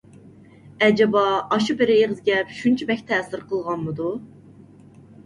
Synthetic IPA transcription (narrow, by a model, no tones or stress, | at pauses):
ɛd͡ʒɛbɑɑʃubɪɾɪeʁɨzɡʲɛpʃunt͡ʃʰɛbɛkʲt̪ʰɛːsɪɾqʰəlˠʁɑnmɨd̪u